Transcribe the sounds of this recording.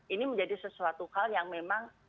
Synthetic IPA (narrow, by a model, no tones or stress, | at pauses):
iniməɲd͡ʒadisəsuat̪uhaljaŋmemaŋ